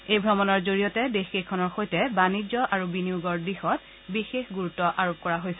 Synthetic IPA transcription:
ejbʱɹɔmɔnɔɹzoɹijɔtɛdexikʰːɔnɔɹxojtɛbanid͡ʒɔʔaɹubiniuɡɔɹdɹixɔt̚ | bixexɡuɹutːɔʔaɹop̚kɔɹaɦojsɛ

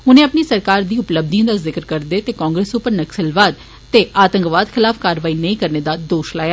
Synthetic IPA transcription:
ʊnẽːəpniːsəɾkaːɾd̪iːʊpləb̚d̪ĩãd̪aːzɪkəɾkəɾd̪eːt̪eːkãːŋɡɾeːsʊpəɾnəksəlʋaːd̪ | t̪eːʔaːt̪ə̃ŋkʋaːd̪kʰɪlaːfʰkaːɾʋaːiːnəĩːkəɾneːd̪aːd̪oːʃlaːjaː

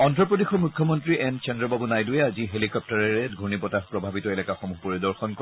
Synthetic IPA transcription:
ɔntɹɔpodixɔmukʰːjɔmɔntɹiʔɛnkɛndɹɔbabunajdʊɛaziɦelikɔp̚taɹɛɹɛɡʱunipɔtapɹɔbʱabitɔelɛkaxomupoɹidɔɹxɔnkɔ

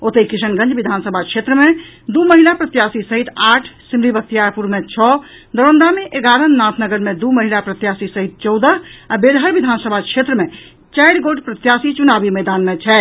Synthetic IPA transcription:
ot̪eikisənɡə̃nd͡ʒbid̪ʱansəbʱakʃʰet̪ɾəmed̪uməɦilapɾət̪jasisəɦit̪ʰaʈʰsimɾibək̚t̪ijaɾpuɾmet͡ʃʰɔ | d̪əɾənd̪ameʔeɡaɾənːãt̪ʰnəɡəɾmed̪uməɦilapɾət̪jasisəɦit̪̚t͡ʃɔwd̪əɦabelɦəɾbid̪ʱansəbʱakʃʰet̪ɾəme | t͡ʃajɽɡoʈpɾət̪jasit͡ʃunabimɛd̪anmet͡ʃʰɛ

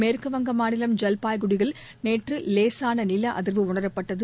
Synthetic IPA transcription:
meːɾkɐʋɐŋɡɐmaːnɪlɐmd͡ʒɛlpaːjɣʊɽɪɣɐɭ | neːʈrɯleːsaːnɐnɪlɐʔɐðɪɾʋɯʊɳɐɾɐpːɐʈːɐðɯ

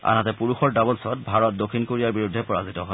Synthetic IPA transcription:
a̰natɛpuɹuxɔɹdabɔlsɔt̚bʱaɹɔt̚dokʰːinkoɹijaɹbiɹudʱːɛpɔɹazitɔɦɔ

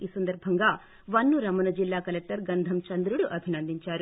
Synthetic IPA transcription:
iːsɐnd̪ɐɾbʱɐŋɡaː | ʋɐnːuɾɐmɐnɐd͡ʒilːaːkɐlek̚ʈɐɾɡɐnd̪ʱɐmt͡ʃɐnd̪ɾuɽuʔɐbʱinɐnd̪iɲt͡ʃaːɾu

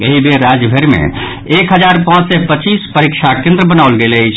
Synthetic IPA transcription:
əɦibeɾad͡ʒbʱeɾmḛ̃ | ekɦəd͡ʒaɾpãt͡ʃsɛpət͡ʃispəɾikʃʰakẽnd̪ɾəbənawlɡelət͡ʃʰ

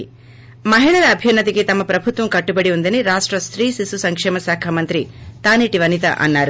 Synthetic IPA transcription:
mɐɦiɳɐɾɐːbʱjunːɐt̪̬ikit̪ɐmːɐpɾɐbʱut̪ʋɐmkɐʈːubɐɽiund̪ɐniɾaːʂʈɾɐst̪ɾiːsisusɐŋkʂɛːmɐsaːkʰaːmɐnt̪ɾit̪aːniːʈiʋɐnit̪ɐ̰ʔɐ̰nːaːɾu

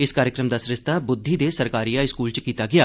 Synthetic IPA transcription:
ɪskaːɾjɪkɾəmd̪aːsɾɪst̪aːbʊd̪ʱːiːd̪eːsəɾkaːɾijaːɪskuːlt͡ʃkiːt̪aːɡɪjaː

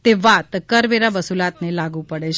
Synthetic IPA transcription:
t̪eʋat̪kəɾʋeɾaʋəsulat̪nelaɡũpəɽet͡ʃʰ

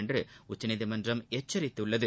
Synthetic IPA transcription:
ndrɯʊt͡ʃːɐnɪðimɐndrɐmet͡ʃːɐɾɪt̪ːɯɭːɐðɯ

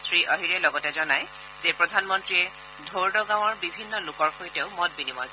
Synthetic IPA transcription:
sʰɹiʔɔɦiɹɛlɔɡɔtɛzɔnaj | zɛpɹɔdʱanmɔntɹiɛ | dʱoɹdɔɡaw̃ɔɹbibʱinːɔlʊkɔɹxojtɛʊmɔt̚binimɔj

